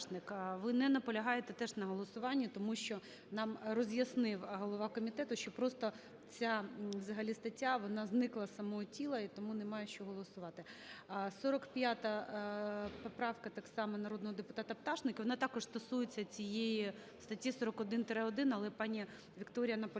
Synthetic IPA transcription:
nɪkʋɪnɛnɐpɔlʲɐɦɑjet̪ɛt̪ɛʐnɐɦɔlˠɔsʊʋɑnʲːit̪ɔmuʃt͡ʃɔ | nɑmrɔzʲjɐsnɪwɦɔlˠɔʋɑkɔmʲit̪ɛt̪ʊʃt͡ʃɔpɾɔst̪ɔ | t͡sʲaʋzɐɦɐlʲist̪ɐtʲːaʋɔnɑznɪklˠɐsɐmɔɦɔtʲilˠɐit̪ɔmunɛmɑjɛʃt͡ʃɔɦɔlˠɔsʊʋɑt̪ɪsɔɾɔkpʲjat̪ɐ | pɔpɾɑwkɐt̪ɑksɑmɛnɐɾod̪nɔɦɔd̪epʊt̪ɑt̪ɐpt̪ɑʂnɪkɪʋɔnɑt̪ɑkɔʐ̥st̪ɔsujet͡sʲːɐt͡sʲijeji | st̪ɐtʲːisɔɾɔkɔd̪ɪnt̪ɾɛɔd̪ɪnɐlˠɛpɑnʲi | ʋʲikt̪ɔɾʲijɐnɐpɔ

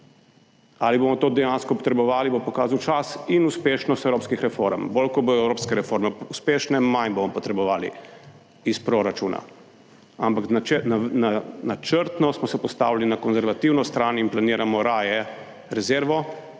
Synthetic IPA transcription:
aliboːmɔt̪oːd̪ɛjaːnskɔpɔt̪ɾɛbɔʋaːlibopɔkaːzawt͡ʃasinuspeːʃnɔst̪ɛwɾoːpskixɾɛfoːɾɛmbolkɔboːd̪ɔɛwɾoːpskɛɾɛfoɾmɛuspeːʃnɛmanbomɔpɔt̪ɾɛbɔʋaːlḭ | ispɾoɾat͡ʃuːna̰ | ampakanananat͡ʃəɾt̪nɔsmɔsɛpɔst̪a̰ːwlalinakɔnzɛɾʋat̪iwnɔst̪ɾaːninplaniːɾamɔɾaːjɛ | ɾɛzeɾʋɔ

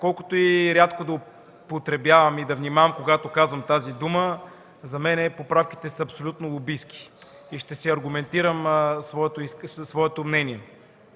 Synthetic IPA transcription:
kɔlˠkʊ̥t̪oiɾʲjat̪kod̪ɐo | pot̪ɾɛbʲjavɐmid̪ɐvnimavɐmkoɡat̪okazvɐmt̪azid̪umə | zɐmɛnɛpopɾafk̟i̥t̪ɛsɐɐpsolʲut̪nolˠobisk̟i̥ | iʃt̪ɛsiɐɾɡʊmɛnt̪iɾəmsvɔɛt̪oisvɔɛt̪omnɛnʲiɛ

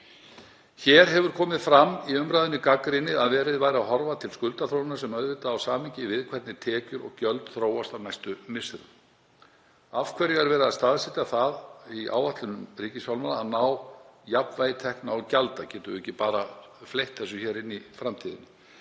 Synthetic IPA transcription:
çɛːɾ̥ɦɛvʏɾ̥kʰɔːmɪðfɾamːiʏmɾaːðʏnɪkakɾɪnːɪaðvɛːɾɪðvaːjɾaɦɔɾvat̪ʰɪlskʏlt̪aθɾownɪnaɾsɛmœðvɪːt̪aːwsaːmɪɲcɪvɪðkʰvɛrt̪nɪt̪ʰɛːcʏɾɔ̰ɣcœlt̪θɾoːwast̪awnajst̪ʏmɪsɪɾ | av̥kʰvɛɾiɣaɾvɛːɾɪðast̪aðsɪt̪aθaðia̰ːwvaht̪lʏnʏmriːcɪsfjawlmanaaðnawjapnvaːjɪt̪ʰɛhknaɔcalt̪acɛːt̪ʏɪhcːɪpaːɾaflejht̪θɛsːʏçɛːɾɪnːifɾamt̪ʰiːðɪ̰nɪ

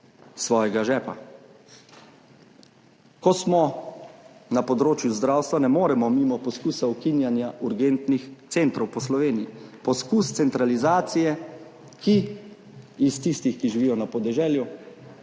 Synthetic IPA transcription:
sʋɔːjɛɡaʒɛːpa | kɔsmɔ | napɔd̪ɾoːt͡ʃjuzd̪ɾawst̪ʋanɛmoːɾɛmɔmimɔpɔskuːsaukinjanjaʔuɾɡent̪nixt̪sent̪ɾɔwpɔslɔʋeːnijipɔskuːst̪sɛnt̪ɾalizaːt̪sijɛ | kiː | st̪ist̪ixkiʒiʋijɔnapɔd̪ɛʒɛːlju

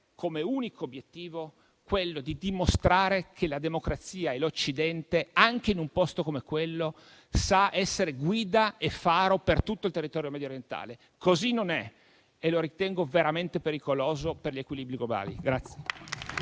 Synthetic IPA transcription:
kʰomeuːnikoːbːjet̪ːiːvo | kwelːod̪id̪imost̪ɾaːɾekʰelad̪emokɾat̪siːaelot͡ʃːid̪ɛnt̪eaŋk̟einumpɔst̪okomekwelːo | saɛsːeɾeɡwiːd̪aefaːɾopert̪ut̪ːoilt̪erːit̪ɔːɾjomɛd̪joɾjent̪a̰ːle | kʰozinːonɛ | eloɾit̪ɛŋɡoveɾament̪epeɾikoloːzoperʎekwiliːbɾiɡloba̰ːlḭɡɾat̪sːje

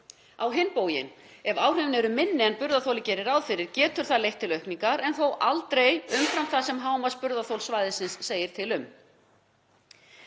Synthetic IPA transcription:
awɦɪnːpoːwjɪ̰n | ɛvaːwr̥ʏvnɛɾʏmɪnːɪɛnpʏɾðaθowlɪcɛːɾɪɾawðfɪɾːɪɾcɛːt̪ʏɾ̥θaðlejht̪ʰːɪlœhpniŋkaɾɛnθowʔalt̪ɾejʏmfɾamθasɛmɦaːwmaspʏɾðaθowlsvaːjðɪsɪnsːeːjɪɾ̥t̪ʰɪlʏm

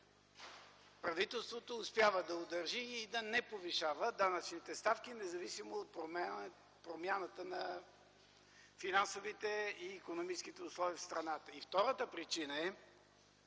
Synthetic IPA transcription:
pɾɐvit̪ɛlˠst̪vot̪oːspʲjavəd̪ɐod̪ɐɾʒiːd̪ɐnɛpoviʃavəd̪anət͡ʃnit̪ɛst̪afkinɛzɐvisimoot̪̚pɾom | pɾomʲjanət̪ənɐ | finansovit̪ɛiːkonomit͡ʃsk̟it̪ɛʊslˠɔviːfst̪ɾɐnat̪əift̪ɔɾət̪əpɾit͡ʃinəɛ

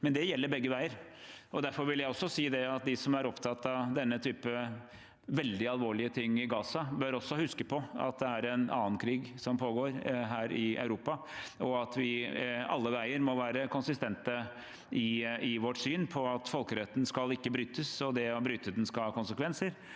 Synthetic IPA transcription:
mɛnd̪ɛjɛlːəɾbɛɡːəʋæɪəɾɔd̪æɾfɔɾʋɪljæɪɔsːɔsiːd̪ɛɑt̪̚d̪ɪsɔmæɾɔpt̪ʰɑt̪ːɑʋd̪ɛnːət̪ʰyːpə | ʋɛld̪ɪɑlʋoːɭɪət̪ʰɪŋːɪɡɑːsɑbøɾɔsːɔhʉskəpʰɔɑ̰t̪̚d̪ɛæɾɛnɑ̰ːənkʰɾiːɡsɔmpʰoːɡoːɾɦæːɾɪɑ̰ʉɾuːpɑɔɑt̪ʋɪɑ̰lːəʋæɪəɾmɔʋæːɾəkʊnsɪst̪ɛnt̪ə | ɪɪʋɔʈsyːnpʰɔɑt̪fɔlkəɾɛt̪ːn̩skɑlɪkːəbɾyːt̪əsɔd̪ɛɔbɾyːt̪əd̪ɛn̩skɑkʊnsəkʋɛnsəɾ

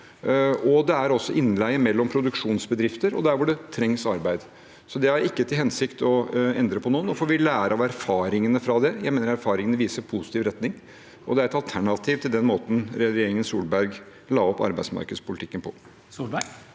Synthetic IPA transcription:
ɔd̪ɛæɾɔsːɔʔɪnlæɪəmɛlːɔmpʰɾʊd̪ʉkʂuːnsbəd̪ɾɪft̪əɾɔ̰d̪æɾʋʊɖɛt̪ʰɾɛŋsɑɾbæɪd̪ | sɔd̪ɛhɑɾɪkːət̪ʰɪlhɛnsɪkt̪ɔɛnd̪ɾəpʰɔnuːənɔfɔːɾʋɪlæːɾəɑʋæɾfɑːɾɪŋənəfɾɑd̪ɛjæɪmeːnəɾæɾfɑːɾɪŋənəʋiːsəɾpʰʊsɪ̥t̪iːʋɾɛt̪nɪŋ | ʔɔ̰d̪ɛæɾɛt̪ɑlt̪ʰæɳɑt̪ʰiːʋt̪ʰɪld̪ɛnmoːt̪n̩ɾɛɾɛjeːɾɪŋənsuːlbæɾɡ | lɑːɔpːɑ̰ɾbæɪsmɑ̰ɾkəd̪spʰʊlɪt̪ɪkːənpʰɔ | sulbæ

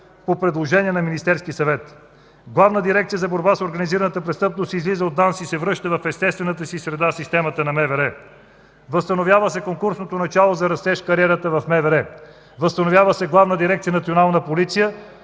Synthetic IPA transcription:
popɾɛd̪lˠoʒɛniɛnɐminist̪ɛɾskʲiəsɐvɛt̪ | ɡlˠavnəd̪iɾɛkt̪sijəzɐboɾbasoɾɡɐniziɾənət̪əpɾɛtst̪ɤpnost̪izlizəot̪d̪ansisɛvɾɤʃt̪əvɐfɛst̪ɛst̪vɛnət̪əsisɾɛd̪asist̪ɛmət̪ənɐmɛvɛɾɛ | vəst̪ɐnovʲjavəsɛkoŋkuɾsnot̪onɐt͡ʃalˠozɐɾɐst̪ɛʃkɐɾiɛɾət̪əvɐfmɛvɛɾɛ | vəst̪ɐnovʲjavəsɛɡlˠavnəd̪iɾɛkt̪sijənɐt̪sionalˠnəpolit̪sijə

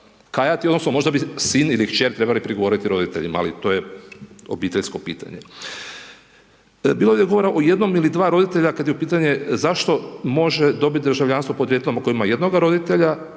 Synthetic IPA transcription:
kajat̪io̞d̪nosnomo̞ʒd̪abisinilikt͡ʃeɾt̪ɾe̞balipɾiɡoo̞ɾit̪iɾo̞d̪it̪e̞ʎima̰a̰lit̪o̞jeo̞biːt̪eʎʲsko̞pḭːt̪a̰ɲe | bilod̪jeɡo̞ʋo̞ɾaʔoje̞d̪no̞milid̪ʋaːɾo̞d̪it̪e̞ʎakad̪jeupiːt̪aɲezaʃt̪o̞mo̞ʒed̪o̞bit̪̚ʲd̪ɾʒaʋʎaːnsʋopo̞d̪ɾjet̪elomako̞imaje̞d̪no̞ɡaɾo̞d̪it̪eʎa

